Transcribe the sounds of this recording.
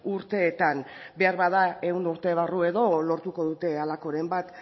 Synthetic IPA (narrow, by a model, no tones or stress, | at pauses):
uɾt̪e̞ːt̪an | be̞aɾβaðae̞und̪uɾt̪e̞βarue̞ðo̞lo̞ɾt̪uko̞ðut̪e̞alako̞ɾe̞mbat̪